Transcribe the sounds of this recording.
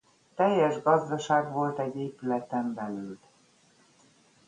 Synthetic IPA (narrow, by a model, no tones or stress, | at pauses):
t̪ɛjːɛʒɡɒzd̪ɒʃaːɡʋo̞lt̪ɛɟːeːpylɛt̪ɛmbɛlyːl